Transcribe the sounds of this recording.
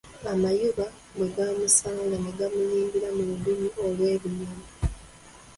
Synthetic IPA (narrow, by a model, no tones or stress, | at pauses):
amajuβa | bwe̞ɡaːmusaːŋlɡaneɡamuliːŋɡiɾamuludumuolwe̞ːβinimi